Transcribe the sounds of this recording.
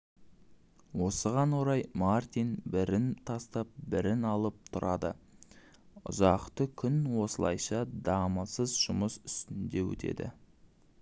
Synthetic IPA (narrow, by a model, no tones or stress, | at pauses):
wo̞səʁɑnwoɾɑjmart̪ijnbɪɾɪnt̪ʰɑst̪ɑp̚bɪɾɪnɑlˠəp̚t̪ʰʊɾɑd̪ə̰ | ʊ̰zɑqt̪əkʲʰʏnwo̞səlˠɑ̰jʃɑd̪ɑməsəzʒʊməsʏ̥st̪ɪnd̪e̞wɵ̰t̪ʰe̞̰d̪ɪ̰